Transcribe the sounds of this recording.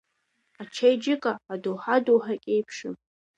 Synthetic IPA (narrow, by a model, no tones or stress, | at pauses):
at͡ʃʰejd͡ʒɪkʼaːdowħadowħakʲʼejpʰʂɨm